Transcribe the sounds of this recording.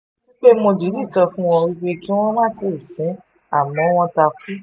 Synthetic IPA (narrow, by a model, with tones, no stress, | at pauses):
ĩ˦k͡pe˦mõ˧d͡ʒi˨˦di˦˨tɔ˧fũ˦w̃ɔ̃˧ɾi˦ɡ͡be˦ki˦w̃ɔ̃˦mã˦˨˦ti˧˨sĩ˨˦ | a̰˦˨mɔ̃˨˦w̃ɔ̃˧ta˧fi˦